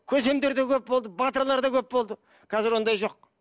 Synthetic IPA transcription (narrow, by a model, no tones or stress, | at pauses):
kʲʰɵze̞md̪e̞ɾd̪e̞kʲʰɵp̚bo̞lˠd̪əbɑt̪əɾlˠɑɾd̪ɑkʲʰɵpbo̞lˠd̪ə | kʰɑzɪɾwo̞nd̪ɑjʒo̞q̚